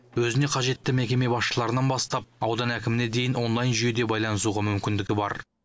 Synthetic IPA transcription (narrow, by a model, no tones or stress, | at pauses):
wɵzɪne̞qʰɑʒe̞t̪ːɪme̞kʲe̞me̞bɑsʃəlˠɑɾənɑnbɑst̪ɑp̚ɑwd̪ɑnækʲɪmɪne̞d̪e̞jɪnʔo̞nlˠɑjnʒʏje̞d̪e̞bɑjlˠɑnəs̬uʁɑmʏmkʲɪnd̪ɪɡʲɪbɑ̰ɾ